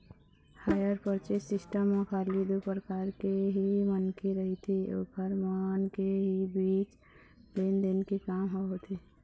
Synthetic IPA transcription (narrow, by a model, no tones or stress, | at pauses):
hajəɾpəɾt͡ʃesɪsʈəmːekʰalid̪upɾəkaːɾkeɦimənkeɾəɦit̪ʰio̰kəɾmənkeɦibiːt͡ʃ | lend̪enkekaːmɦɔɦot̪ʰi